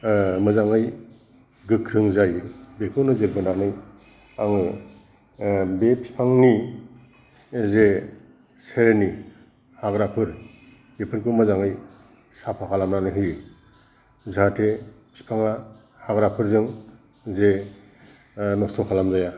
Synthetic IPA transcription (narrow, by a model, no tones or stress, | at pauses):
mɯzaŋɯj | ɡɯkʰɾɯŋzajbekʰɯnɯzɯɾbɯnanɯj | aŋɯ | bepʰi̥pʰaŋni | ze | seɾni | haɡɾapʰɯɾ | epʰɯɾkʰɯmɯzaŋɯj | sapʰakʰalamnanɯɦɯj | zɯɦatʰe | pʰi̥pʰaŋa | haɡɾapʰɯɾzɯŋ | ze | nɔsɔkʰalamzaja